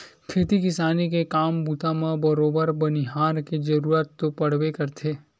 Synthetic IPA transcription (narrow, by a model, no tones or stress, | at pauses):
kʰeːt̪ikɪsaːnikekaːmbut̪amãbɐɾoːbəɾbəniɦaːɾkid͡ʒɐɾuːɾət̪ːopɐɽ̤ʋekɐɾt̪ʰe